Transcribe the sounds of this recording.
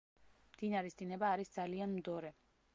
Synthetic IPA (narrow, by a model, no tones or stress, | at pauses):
md̪̥inaɾisd̪inɛbaːɾisd̪z̥alianmd̪ɔɾɛ